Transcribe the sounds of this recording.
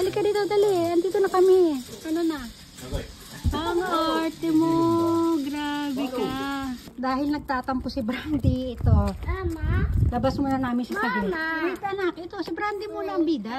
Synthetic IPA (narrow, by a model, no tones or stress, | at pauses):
d̪ɐlɪkɐɾɪd̪ɐwd̪aliʔɐnd̪iːt̪onɐkɐmɛʔɐnonɐ | aŋɐʔaɾt̪ɛmoɡɾaːbɛka | d̪aːhɪlnɐɡ̚t̪aːt̪ɐmposɪbɾand̪ɪʔɪt̪oamalɐbasmonɐnaːmɪnʃɐsɐɡɪawɪt̪ɐnak̚ʔɛt̪o̞sɪbɾand̪ɪmuːlɐɐŋbiːd̪ɐ